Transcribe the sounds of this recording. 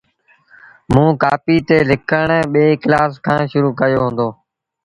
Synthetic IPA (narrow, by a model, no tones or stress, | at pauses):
mũːkaːpiːt̪eːlɪkʰəɳːɓeːklaːskʰãːʃʊɾuːkəjoːɦʊ̃nd̪oː